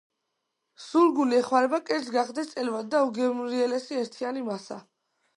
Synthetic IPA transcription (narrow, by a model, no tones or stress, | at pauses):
suɾɡuliɛχwaɾɛbakʼɛɾzɡaχd̪ɛst̪sʼɛlvad̪̚ːauɡɛmɾiɛlɛsiɛɾt̪ʰianimasa̰